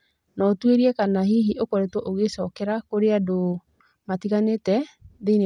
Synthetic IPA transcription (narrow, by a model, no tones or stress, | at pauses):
nɔtweɾiɛkanahiɦiʔokɔɾɛtwɔʔoɣesɔkɛɾakoɾeado | matiɣanetɛðeine